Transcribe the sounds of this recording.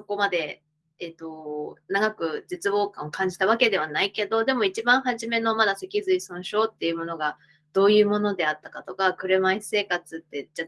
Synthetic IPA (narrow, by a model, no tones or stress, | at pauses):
so̞ko̞mad̪e̞ | et̪o̞naɡakɯ̟d͡ʑit͡sɨbo̞ːkãɰ̃okãɲ̟d͡ʑi̥t̪aβ̞ake̞d̪e̞β̞anaike̞d̪o̞d̪e̞mo̞it͡ɕibãɰ̃ɦaʑime̞no̞mad̪ase̞kʲizɨisõɰ̃ɕo̞ːt̪ːe̞jɯ̟mo̞no̞ɡa | d̪̥o̞ːjɯ̟ːmo̞no̞d̪e̞at̪ːakat̪o̞kakɯ̟ɾɯ̟maise̞ːkat͡sɨt̪ːe̞d͡ʑa